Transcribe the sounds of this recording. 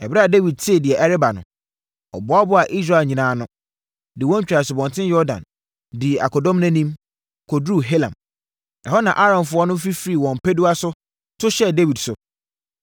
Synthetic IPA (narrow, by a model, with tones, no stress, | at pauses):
ɛ˨bɾa˦a˨de˦wi˨d̚tʰe˦˨dɪ˨ɛ˨ʔɛ˦ɾɪ˦ba˨nʊ̰̃˨ | ɔ̰˨bʊ˦a˦bʊ˦a˨ʔi˦s̬ɾa˦˨e˨ɲĩ˨nãː˨˦nʊ̃˦ | dɪ˨wɔ̃˦ɲ̩˦t͡ɕᶣa˨sʊ˨bɔ̃˨ntʰɪ̃˦njɔ˦dã̰˨n | dɪ˨ʔa˨kʰɔ˨dɔ̃˦mnɛ̃˦nĩ˦m | kʰo˨dɾu˦ɦe˦lã̰˨m | ɛ˨hɔ˦nã˨ʔa˦ɾɔ̃˨nfʊ˦ɔ˦nʊ̃˦fi˦fɾi˨wɔ̃˨m˨pʰɛ˦du˦a˦sʊ˦ | tʰʊ˦ɕɛ˦de˦wi˨dsʊ˨